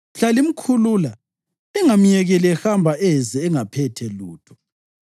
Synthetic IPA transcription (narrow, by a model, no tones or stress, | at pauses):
ɬalim̩kʰuluːla | ɛŋam̩jɛɣɛlɛxambʱaʔɛzɛːŋapʰɛtʰɛluːtʰɔ̥